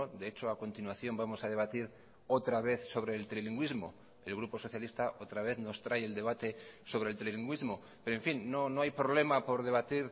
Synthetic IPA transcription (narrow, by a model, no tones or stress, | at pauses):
od̪e̞et͡ʃoako̞nt̪inwaθjo̞mbamo̞sað̞e̞β̞at̪iɾ | o̞t̪ɾaβe̞θso̞βɾe̞ːlt̪ɾiliŋɡwizmo̞̰ | e̞lɣɾupo̞so̞θjalist̪aʔo̞t̪ɾaβe̞θno̞st̪ɾaje̞ld̪e̞βat̪e̞so̞βɾe̞lt̪ɾeiliŋɡwizmo̞ | peɾoeɱfinːo̞no̞ajpɾo̞βle̞mapo̞ɾðe̞β̞at̪iɾ